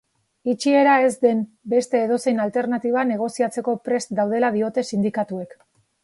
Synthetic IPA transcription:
it͡ʃie̞ɾae̞zd̪e̞m | be̞st̪e̞ːðo̞se̞jnalt̪e̞ɾnat̪iβ̞ane̞ɣ̞o̞siat͡se̞ko̞pɾe̞st̪d̪awð̞e̞laðio̞t̪e̞sind̪ikat̪ue̞k

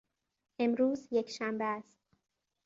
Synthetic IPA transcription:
ʔe̞mɾuːzjekʰʃæmbeæst̪̚

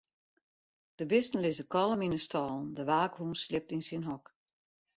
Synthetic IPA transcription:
d̥əbɪstn̩lɪzəkɔlˠəminəstɔːlˠn̩dəʋaːkhuːnslɪp̚tinsinɦɔk

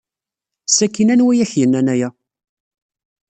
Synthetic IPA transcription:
sækːinænwijiçjənːænæjæ

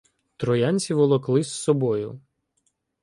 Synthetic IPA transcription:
t̪ɾɔjɑnʲt͡sʲiʋɔlˠɔklˠɪsːɔbɔjʊ

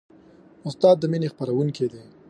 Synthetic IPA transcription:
ʊst̪ɑːd̪̚ːəminexpəɾawunked̪e

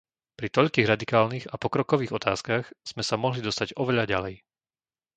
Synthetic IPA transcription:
pɾit̪ɔʎkiːɣɾad̪ikaːlniɣapɔkɾɔkɔʋiːɣɔt̪a̰ːskaxz̥mɛsamɔɦlid̪ɔst̪aɟɔʋɛʎaɟalɛj

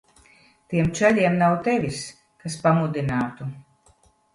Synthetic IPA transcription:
t̪iɛmt͡ʃɛʎʲiɛmnawt̪ɛvʲis | kaspamud̪inaːt̪u

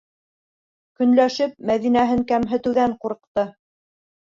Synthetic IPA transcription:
kɵ̆nlæʃɘp̚mæðinæɦɘŋkæmɦɘ̆t̪ɘ̆wðæɴquɾɤ̆q̚t̪ɤ

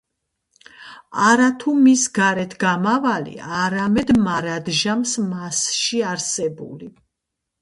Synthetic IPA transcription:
aɾat̪ʰumisɡaɾɛt̪ʰɡamavalḭaɾamɛd̪maɾad̪ʒamsmasʃiaɾsɛbṵli

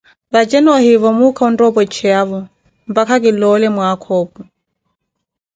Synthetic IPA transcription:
βad͡ʒɛnɔhiβɔmukʰaundɔbɔt͡ʃʰɛaβɔ | mbakakilɔlɛmwakʰɔbu

